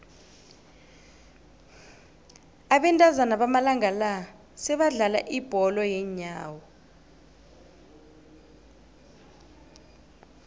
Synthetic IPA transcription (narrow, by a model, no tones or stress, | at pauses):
aɓɛntʼazanaɓamalaŋɡʱala | sɛɓaɮala̰ʔib̥ʱɔlɔjɛɲaːwɔ